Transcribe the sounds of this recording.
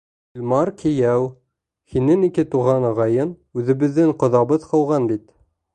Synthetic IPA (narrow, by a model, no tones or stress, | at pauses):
ilʲmɑɾkʰĭjæw | hinɘŋikɘt̪uʁɑnɑʁɑjɤn | ʉðɘ̆βɘ̆ðːɘŋqŏðɑβɤðqɤ̆wʁɑnbit̪